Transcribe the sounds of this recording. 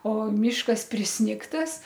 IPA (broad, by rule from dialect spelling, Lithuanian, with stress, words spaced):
oː ˈmʲiːʃkɐs pʲrʲɪsʲˈnʲɪktɐs